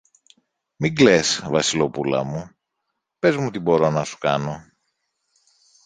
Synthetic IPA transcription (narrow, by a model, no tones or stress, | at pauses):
miɡlesvɐsilo̞pulɐ̰mu | pe̞zmut̪ibo̞ɾo̞nɐsu̥kɐno̞